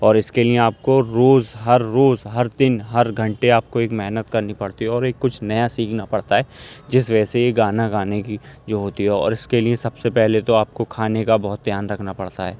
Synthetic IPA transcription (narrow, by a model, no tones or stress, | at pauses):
ɔːɾɪskelieaːp̚koɾoːzɦɐɾːoːzɦɐɾd̪ɪnɦɐɾɡʱɐ̃ɳʈeaːp̚koeːkmɛɦnət̪kɐɾnipɐɽt̪iɦɛɔːɾeːkːʊt͡ʃʰnɐjasiːkʰnapɐɽt̪aɦɛːd͡ʒɪsʋɛːseeɡaːnaɡaːnekid͡ʒoːɦoːt̪iɦɛɔ̰ːɾɪskeliesɐbsepɛɦlet̪oaːp̚kokʰaːnekabɔɦʊt̪̚d̪ʱjaːnɾɐkʰnapɐɽt̪aɦɛ̰ː